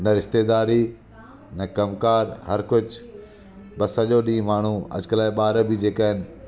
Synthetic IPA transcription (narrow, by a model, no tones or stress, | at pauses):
nɐɾɪʃt̪eːd̪aːɾi | nɐkɐmkaːɾɦɐɾkʊd͡ʑʱ | bɐsɐʄoɗĩːmaːɳ̤uɐ̰d͡ʑkəlaːeɓaːɾəbid͡ʑeːkaɦɪnɪ̆